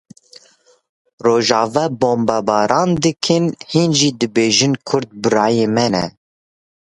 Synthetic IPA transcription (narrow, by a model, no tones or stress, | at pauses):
roːʒɑːvɑːboːmbɑbɑːɾɑːnd̪ɨkʰɨnhinʒiːd̪ɨbeːʒɨnkʰʊɾdt̪̚bɨɾɑːjeːmɛnɛ̰